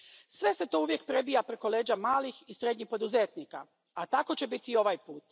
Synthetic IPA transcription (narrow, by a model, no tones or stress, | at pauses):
sʋe̞set̪o̞uʋje̞k̚pɾe̞bijapɾeko̞leːd͡ʑamaːlixisɾe̞d̪ɲixpo̞d̪uzeːt̪nika̰ | at̪ako̞t͡ɕe̞bit̪iio̞ʋajpuːt̪